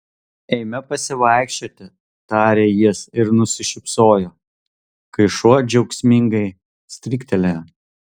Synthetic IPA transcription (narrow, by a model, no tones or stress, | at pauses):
ɛɪmʲɛpɐsʲɪʋɐˑɪkʃʲt͡ʃʲoːt̪ʲɪ | t̪ɑːɾʲeːjiɛsɪɾnʊsʲɪʃʲɪpsoːjoː | kɐɪʃuɔd͡ʒʲɛʊksʲmʲɪŋɡɐɪ | sʲt̪ʲɾʲɪkt̪ʲɛlʲe